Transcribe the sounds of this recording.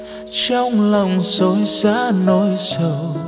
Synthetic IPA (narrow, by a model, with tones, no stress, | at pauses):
t͡ɕɔ˧wŋ͡mlə˨˩wŋ͡mso˨˦jzaː˧˦˥nɔ˨˦jsəː˧˩